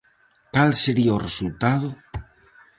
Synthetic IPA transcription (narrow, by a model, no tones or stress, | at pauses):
kalseɾiaoresult̪aðo